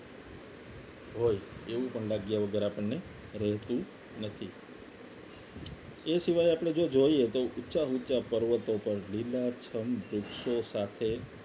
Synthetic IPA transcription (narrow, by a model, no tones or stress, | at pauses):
ɦojeʋũpəɳlaɡjaʋəɡəɾapəɳːe | ɾɛɦt̪ũ | nət̪ʰi | esiʋajapəɽ̃ed͡ʒod͡ʒoiet̪oʔʊtːʃaɦutːt͡ʃapəɾʋət̪opəɾlilat͡ʃʰəmbɾʊkʃosat̪ʰe